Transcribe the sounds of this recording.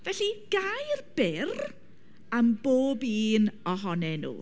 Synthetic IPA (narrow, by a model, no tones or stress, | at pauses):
vɛɬiɡ̥ajrb̥ɪr | amboːbiːnɔɦɔnɛnṵː